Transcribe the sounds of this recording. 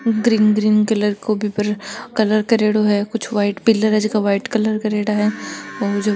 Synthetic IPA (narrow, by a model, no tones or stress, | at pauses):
ɡɾiːnɡɾiːnkɐləɾkoːbʱipəɾkɐləɾkɐɾeːɽoɦɛkʊt͡ʃʰʋaːɪʈpɪlːəɾɐd͡ʒkaʋaːɪʈkɐləɾkɐɾeːɽaɦɛːɔːd͡ʒɐ